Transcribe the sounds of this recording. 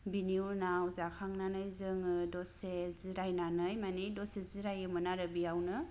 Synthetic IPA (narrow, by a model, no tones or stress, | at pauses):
biniuɾnawzakʰaŋnanɯjzɯŋɯdɔseziɾajnanɯjmanidɔseziɾajɯmɯnaɾɯbijawnɯ